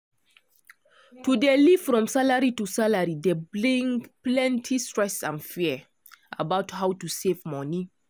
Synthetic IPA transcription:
tudeliv̥fɹɔ̃msalaɹitusalaɹideblẽŋplɛ̃ntʰistɹɛsã̰nfiə | ʔa̰baʊthawtusevmɔni

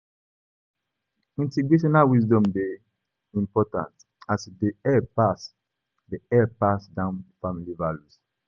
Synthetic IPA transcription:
ĩnteɡɹeʃɔnalwisdɔ̃mbe | ĩmpɔtã̰nt | asdeɛpas | deɛpasdãnfamilivalus

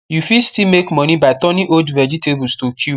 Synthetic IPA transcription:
jufistimekmɔnibaɪtɔniʔodvɛd͡ʒitebustokʰu

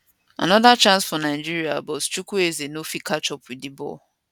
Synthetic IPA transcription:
a̰nɔdat͡ʃãnsfɔnaɪd͡ʒiɾiabɔtt͡ʃukuezenofikat͡ʃɔpwidibɔ̰

